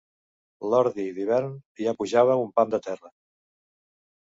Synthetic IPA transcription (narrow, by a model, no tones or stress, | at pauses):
lɔɾðiðiβɛɾnjapuʒaβəumpamd̪ət̪ɛrə